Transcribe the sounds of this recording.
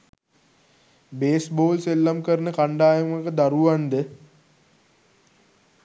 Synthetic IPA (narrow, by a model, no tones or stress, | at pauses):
beːsboːlselːamkəɾnəkaɳɖaːjəməkəd̪aɾuʋand̪ə